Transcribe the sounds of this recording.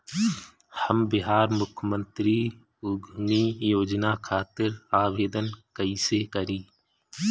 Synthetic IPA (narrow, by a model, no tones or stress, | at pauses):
həmbɪɦaːɾmʊkʰmə̃nt̪ɾi | ʊɡʱnijoːd͡ʒnakʰaːt̪ɪɾaːʋeːd̪ənkəisekəɾiː